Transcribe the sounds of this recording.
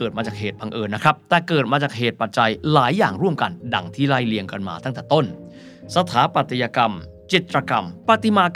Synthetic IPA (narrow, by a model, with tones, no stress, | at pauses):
ɤː˨˩t̪maː˧t͡ɕaː˨˩k̚ɦeː˨˩t̪̚ba˧ŋʔɤː˧nːa˦˥kʰɾa˦˥p̚t̪ɛː˨˩kɤː˨˩t̪̚maː˧t͡ɕaː˨˩k̚ɦeː˨˩t̪̚pa˨˩t̪̚t͡ɕa˧jlaː˩˦jːaː˨˩ŋɾu˥˩əmka˧nda˧ŋt̪ʰiː˥˩laː˥˩jli˧əŋka˧nma̰ː˧t̪a˥˩ŋt̪ɛː˨˩t̪o˥˩n | sa˧t̪ʰaː˩˦˥pa˨˩t̪ʰjaː˧ka˧m | t͡ɕi˨˩t̪̚ːɾa˧ka˧mpa˨˧˩t̪i˧maː˧k